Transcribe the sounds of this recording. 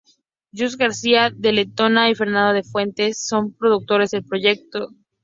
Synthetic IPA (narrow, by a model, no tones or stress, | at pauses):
ɟ͡ʝuz̬ɣaɾsiaðelet̪o̞naife̞ɾnãnd̪o̞ðe̞fwe̞nt̪e̞sːo̞mpɾo̞ðuk̚t̪o̞ɾe̞zðe̞lpɾo̞ʝe̞k̚t̪o